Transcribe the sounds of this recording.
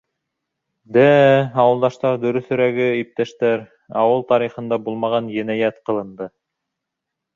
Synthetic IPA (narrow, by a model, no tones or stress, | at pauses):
d̪æɑwɤ̆lˠd̪ɑʃt̪ɑɾd̪ɵ̆ɾɵ̆θɵ̆ɾæɡɘip̚t̪æʃt̪æɾ | ɑwɤlˠt̪ɑɾiχɤ̆nd̪ɑbulˠmɑʁɑnjæ̆næjæt̪qɤ̆lˠɤ̆nd̪ɤ